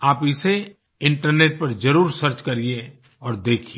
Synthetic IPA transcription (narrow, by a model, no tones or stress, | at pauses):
aːpɪse | ɪ̃ɳʈəɾneːʈ̚pɐɾd͡ʒɐɾuːɾsɐɾt͡ʃkɐɾie | ɔːɾd̪eːkʰie